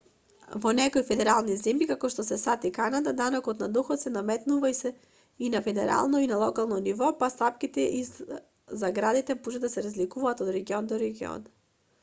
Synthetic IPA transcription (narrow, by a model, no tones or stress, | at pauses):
vɔnɛkojfɛd̪ɛɾalˠnizɛmjikakɔʃt̪ɔsɛsat̪ikanad̪ad̪anɔkɔt̪nad̪ɔxɔt̪sɛnamɛt̪nuvai | inafɛd̪ɛɾa̰lˠnɔinalˠɔkalˠnɔnivɔpast̪ap̚kit̪ɛʔi | zaɡɾad̪it̪ɛmuʒɛd̪asɛɾazlikuvaːt̪ɔd̪ɾɛɡiɔnd̪ɔɾɛɡiɔ̰n